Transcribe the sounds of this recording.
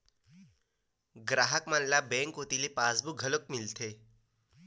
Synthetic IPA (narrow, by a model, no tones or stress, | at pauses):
ɡɾaɦəkmanlabɛ̃ŋkɦot̪ilepad͡zbuɡʱələkmilt̪ʰe